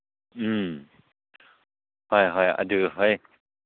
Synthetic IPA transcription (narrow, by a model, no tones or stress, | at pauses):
ʔɯːm | hɔjɦɔjʔa̰dɯːɦɔj